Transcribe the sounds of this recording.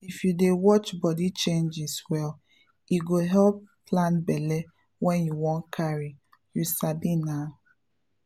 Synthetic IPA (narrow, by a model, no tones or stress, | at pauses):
ifjudewɔt͡ʃbɔdit͡ʃẽnd͡ʒɪswɛl | iɡoɦɛlpːlãnbɛlɛ | wɛnjuwɔ̃nkʰaɾi | jusabina